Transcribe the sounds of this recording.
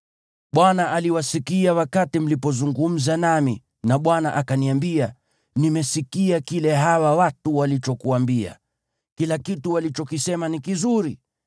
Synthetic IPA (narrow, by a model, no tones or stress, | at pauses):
ɓwanaʔaliwasikiawakatim̩lipɔzuŋɡum̩zanami | naɓwanaʔakaniambia | nimɛsikiakilɛɦawawatuwalit͡ʃɔkuambia̰ | kilakituwalit͡ʃɔkisɛmanikizuɾi